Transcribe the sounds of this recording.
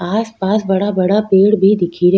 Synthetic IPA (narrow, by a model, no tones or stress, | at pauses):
aːspaːsbɐɽabɐɽapeːɽbʱid̪ɪkʰiɾ